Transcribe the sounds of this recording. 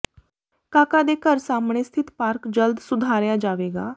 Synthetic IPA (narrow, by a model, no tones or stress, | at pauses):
kaːkaːd̪eːkəɾsaːmɳeːst̪ʰɪt̪paːɾkd͡ʒəld̪sʊd̪ʱaːɾjaːd͡ʒaːʋeːɡaː